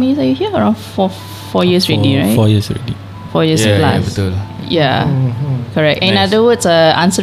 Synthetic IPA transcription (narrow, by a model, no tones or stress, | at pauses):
misajuhiəəɹãʊ̃nfɔ | fɔjiəsɹɛdiɹa̰ɪɔjisɹɛ̰di | fɔjiəpla̰stuja | kɔɹɛk̚tɛ̃nadəwədsəʔãnsə